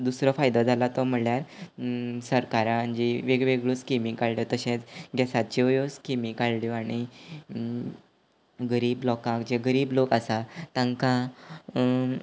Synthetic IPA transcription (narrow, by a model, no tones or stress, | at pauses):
d̪usɾəfajd̪ãd͡zʱalat̪ɔm̤əljaɾ | səɾkaɾãəɲd͡ʑiʋeɡʋeɡɭoskimĩŋkaɭljot̪əɕẽt͡sɡɛsat̪̚t͡ɕijoskimikaɭljoaɽ̃i | ɡəɾiːblɔkãkd͡ʑeɡəɾiːblokasat̪ãŋkã